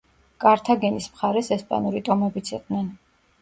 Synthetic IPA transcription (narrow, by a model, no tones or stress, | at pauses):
kʼaɾt̪ʰaɡɛnismχaɾɛsɛspʼa̰nuɾit̪ʼɔmɛbit̪sʰiq̪ʼnɛn